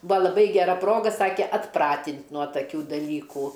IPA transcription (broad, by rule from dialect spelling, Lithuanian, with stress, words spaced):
ˈbʊɐ lˠɐˈbɐɪ ɡʲɛˈrɐ ˈproːɡɐ ˈsɑːkʲɛ ɐtˈprɑːtʲɪnʲtʲ nuɔ tɐˈkʲuː dɐˈlʲiːkuː